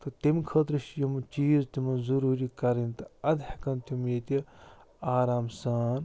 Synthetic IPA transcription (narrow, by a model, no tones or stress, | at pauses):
t̪ɐt̪imkʰɐːt̪ɾɨʃjimt͡ʃiːzt̪imɐnzɐɾuːɾikɐɾint̪ɨɐd̪hɐkɐnt̪imjet̪i | aːɾaːmsaːn